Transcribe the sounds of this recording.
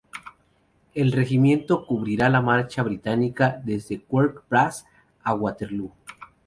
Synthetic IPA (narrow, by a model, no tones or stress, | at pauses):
e̞lre̞ximjẽ̞nt̪o̞kuβɾiɾalamaɾt͡ʃaβɾit̪anikaðe̞zðe̞kweɾkpɾas | aɣwat̪eɾlu